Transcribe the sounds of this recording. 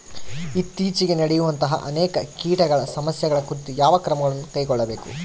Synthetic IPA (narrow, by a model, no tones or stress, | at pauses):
it̪ːiːt͡ʃiɡe̞nɐɽɛjuʋɐnt̪ɐɦɐ̰ʔɐnɛːkɐkiːʈɐɡɐɭɐsɐmɐsjɐɡɐɭɐkuɾit̪ujaːʋɐkɾɐmɐɡɐɭɐnːukɐjɡɔɭːɐbeːku